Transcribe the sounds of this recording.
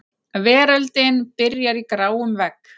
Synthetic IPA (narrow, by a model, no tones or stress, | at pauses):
vɛːɾœlt̪ɪnpɪɾjaɾikɾaːwʏmvɛk